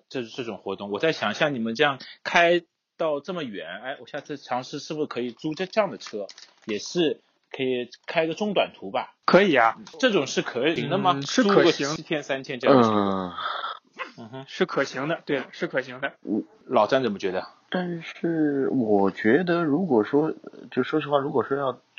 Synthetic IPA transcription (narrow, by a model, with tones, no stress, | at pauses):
ʈ͡ʂɤ˥˩ʈ͡ʂɤ˥˩ʈ͡ʂʊ˨˩ŋxwɔ˧˥t̪ʊ˥˩ŋwɔ˨˩t͡sa˥˩ɪɕjɑ˨˩ŋɕjɑ˥˩ŋni˨˩mə˦nʈ͡ʂɤ˥˧jɑ˥˧˩ŋkʰa˥ɪ | t̪ɑ˥˧ʊʈ͡ʂɤ˥˩mə˩ɥɛ˨˧˥na˧˥˩ɪwɔ˨˩ɕja˥˧t͡s̩ʰ˥˩ʈ͡ʂʰɑ˧˥ŋʂɻ̩˥˧ʂɻ̩˥˩bu˩ʂkʰɤ˧˥i˨˩t͡su˥ʈ͡ʂɤ˥˧ʈ͡ʂɤ˥˧jɑ˥˩ŋd̪ə˩ʈ͡ʂʰɤ˥ | jɛ˨˩ʂɻ̩˥˩ | kʰɤ˧˥i˨˩kʰa˥ɪ˧ɡə˧ʈ͡ʂʊ˥˧ŋt̪wa̰˨˩nt̪ʰu˧˥bɐ˧kʰɤ˧˥i˨˩ɐ˦˥˩ʈ͡ʂɤ˥˩ʈ͡ʂʊ˨˩ŋʂɻ̩˥˩kʰɤ˧˥i˨˧˥ŋd̪ə˧mɐ˨˧ʂɻ̩˥u˥˨˩ə˧˩ɕi˧˥ŋ˥t͡ɕʰjɛ˥nsa˥nt͡ɕʰjɛ˥nʈ͡ʂə˥˩˥ | n̩˥˩˥ʂɻ̩˥˩kʰɤ˨˩ɕi˧˥ŋd̪ə˧t̪we˥˩ɪʂɻ̩˥˩kʰɤ˨˩ɕi˧˥ŋd̪ə˧˩ | lɑ˨˩ʊʈ͡ʂa˥nt͡sə˨˩mə˦t͡ɕɥɛ˧˥d̪ə˧ | t̪a˥˧nʂɻ̩˥˩wɔ˨˩t͡ɕɥɛ˧˥d̪ə˧ɻu˧˥kwɔ˨˩ʂwɔ˥t͡ɕjo˥˩ʂwɔ˥ɕi˧˥xwa˥˩ɻu˧˥kwɔ˨˩ʂwɔ˥jɑ˥˩ʊ